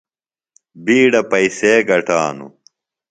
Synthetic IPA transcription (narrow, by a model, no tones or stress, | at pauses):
biːɽɐpɐiseːɡɐʈaːnṵ